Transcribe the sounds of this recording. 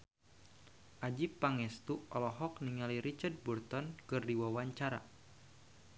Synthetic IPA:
ʔad͡ʒipːaŋɛst̪uɔlɔɦɔk̚niŋaliɾit͡ʃard̚burt̪ɔnkɨrdiwawaɲt͡ʃaɾa̰

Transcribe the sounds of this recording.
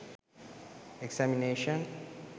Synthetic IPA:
eksamineʃɔ̃n

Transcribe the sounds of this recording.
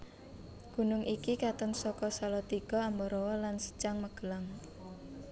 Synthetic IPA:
ɡ̥ṳnʊŋʔikikat̪ɔnsɔkɔsalɔt̪iɡ̥ɔambɔɾɔwɔlansə̥t͡ʃaŋməɡ̥əlaŋ

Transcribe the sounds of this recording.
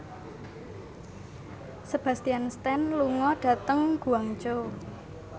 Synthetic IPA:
səb̥ä̤st̪ianst̪ɛnluŋɔɖ̥a̤t̪əŋɡ̥uaŋt͡ʃo

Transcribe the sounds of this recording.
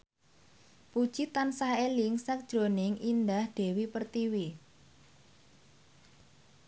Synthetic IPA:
pud̥ʒ̥it̪ansaɦelɪŋsak̚d̥ʒ̥ɾo̤nɪŋʔind̪ahd̪̥e̤wipərt̪iwi

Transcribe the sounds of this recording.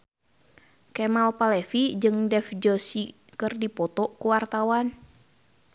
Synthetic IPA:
kɛmalpalɛfid͡ʒɨŋdɛfd͡ʒɔsi | kɨrdipɔt̪ɔkuwart̪awan

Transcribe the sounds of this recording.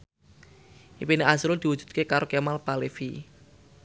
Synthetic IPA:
ʔipineʔasɾʊld̪̥i̤wudd͡ʒ̥ṳ̥d̪̚kekaɾokemalpalefi

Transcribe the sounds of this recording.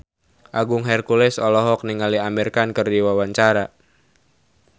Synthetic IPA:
ʔaɡʊŋɦɛrkulɛsɔlɔɦɔk̚niŋaliamirkankərdiwawaɲt͡ʃaɾa

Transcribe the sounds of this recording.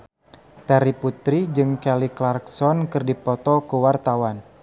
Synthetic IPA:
t̪aɾiput̪ɾid͡ʒɨŋkɛliklarksɔnkɨrdipɔt̪ɔkuwart̪awan

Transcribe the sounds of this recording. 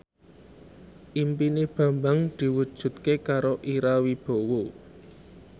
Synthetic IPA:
ʔimpineb̥ä̤mbaŋd̪̥i̤wud̥ʒ̥ṳt̪kekaɾoʔiɾawib̥o̤wo

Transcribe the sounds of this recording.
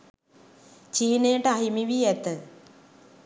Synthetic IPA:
t͡ʃiːneːəʈəaɦimiʋiɛt̪ə

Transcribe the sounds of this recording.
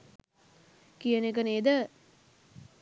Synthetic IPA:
kijənekəneːd̪ə

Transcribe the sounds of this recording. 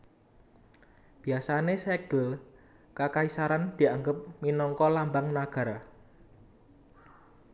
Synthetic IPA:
b̥i̤asanesɛɡ̥əl | kakaisaɾand̪̥i̤aŋɡəp̚minɔŋkɔlambaŋnaɡ̥a̤ɾa

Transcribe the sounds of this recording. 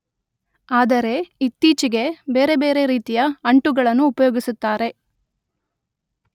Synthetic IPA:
aːd̪ɐɾe̞it̪ːiːt͡ʃiɡe̞be̞ːɾe̞be̞ːɾe̞ɾiːt̪ijɐɐɳʈuɡɐɭɐnːuːpɐjoːɡisut̪ːaːɾe̞

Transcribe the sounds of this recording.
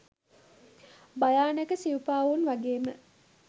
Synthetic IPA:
bajaːnəkəsiupaːʋunʋaɡeːmə

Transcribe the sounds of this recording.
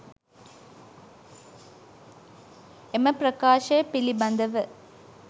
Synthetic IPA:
emɐpɾɐkaːʂeːpilibɐnd̪ɐʋɐ

